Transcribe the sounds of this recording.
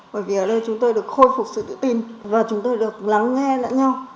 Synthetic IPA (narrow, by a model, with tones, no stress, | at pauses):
ɓəː˧˩jvi˨˩əː˨˩ɗə˧jt͡ɕʊ˨˦ŋ͡mt̪o˧jɗɨ˨˩ək̚xo˧jfʊ˨˩k͡p̚sɨ̰˧˨ɗɨ̰˧˥t̪i˨˩nvaː˨˩t͡ɕʊ˨˦ŋ͡mt̪o˧jɗɨ˨˩ə˩k̚la˨˦ŋːɛ˧la̰ː˧˥ɲa˧w